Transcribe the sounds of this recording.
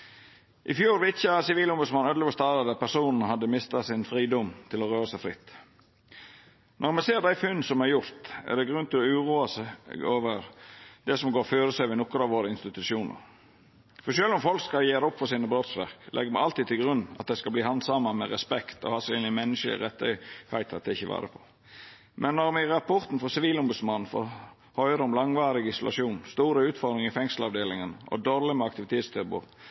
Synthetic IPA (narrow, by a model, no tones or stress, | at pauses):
ʔɪfjuːɾʋɪt̪çɑsɪʋiːlɔmbʉd̪smɑnøːd̪ɪɡɔst̪ɑːɾəd̪æpæsuːnn̩ɦɑd̪ːəmɪst̪ɑsɪnfɾiːd̪ɔmt̪ʰɪlɔʁøːɾəsæɪfɾɪt̪ː | nʔɔɾmɛseːɾd̪æɪfʉnːsɔmæɾjʊɾt̪ɛ̰d̪ɛɡɾʉnt̪ʰɪlɔʉːʁuːɑsoːʋəɾd̪ɛsɔmɡoːɾføːɾəsæʋɪnɔkːəɾɑʋoːɾəɪnst̪ɪt̪ʉʃuːnə̰ɾ | fɔʃøːlɔmfɔlkskɑjeːɾəɔpːfɔsiːnəbɾoːt̪sʋæ̰ʁklʔɛ̰ɡːəmæɪɑlt̪iːd̪̚t̪ʰɪlɡɾʉnːɑ̰t̪̚d̪æɪskɑbliːhɑnd̪sɑməmɛʁɛspɛkt̪ɔ̰hɑːseːnɪmɛnːəʃə̰ʁɛt̪ːə̰hæɪt̪ʰɑt̪̚ɛɪçːəʋæ̰ːɾə̰pʰɔ̥ | mʔɛnːɔʁmɪʁɑpʰɔʁt̪n̩fɔsɪʋiːlɔmbʉd̪smɑn̩ːfɔ̰ | hœʏəɾəɔmlɑŋʋɑːɾɪɡɪsɔlʔɑ̰ʃuːnst̪uːɾəʉːt̪fɔd̪ɾɪŋɪfɛŋsl̩ɑʋd̪eːlɪŋənəʔɔ̰d̪oɾlɪmɛɑkt̪ɪʋɪt̪ʰeːt̪st̪ʰɪlbṵʁ